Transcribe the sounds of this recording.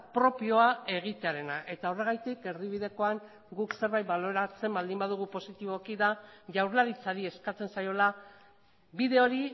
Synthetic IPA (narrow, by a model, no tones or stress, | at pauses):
pɾo̞pio̞ae̞ɣit̪e̞aɾe̞naʔe̞t̪ao̞re̞ɣ̞ajt̪ike̞riβ̞iðe̞ko̞aŋ | ɡukse̞ɾβajt̪̚balo̞ɾat͡se̞mbald̪imbað̞uɣ̞upo̞sit̪iβ̞o̞kiðaʝawɾlaɾit͡saɾie̞skat͡se̞nsajo̞la | βiðe̞o̞ɾi